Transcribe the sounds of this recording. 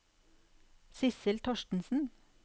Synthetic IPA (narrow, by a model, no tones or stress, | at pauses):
sɪsɪlt̪ʰɔʃtn̩sn̩